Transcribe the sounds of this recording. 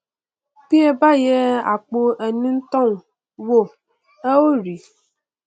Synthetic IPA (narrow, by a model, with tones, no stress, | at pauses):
pi˦e˦ba˦je˦a̰˨k͡po˦ʔe˨nĩ˦n̩˦t̪ɔ˦˨ŋ | wo˦˨ | e˦wo˦ɾi˨